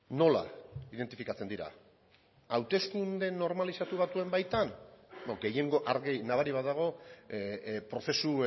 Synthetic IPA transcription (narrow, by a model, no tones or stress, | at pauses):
no̞la̰iðe̞nt̪ifikat͡se̞nd̪iɾa̰ | awt̪e̞skund̪e̞no̞ɾmalisat̪uβat̪ue̞mbajt̪anoɡe̞je̞ŋɡo̞ʔaɾɣinaβ̞aɾiβat̪̚d̪aɣ̞o̞ | pɾo̞θe̞su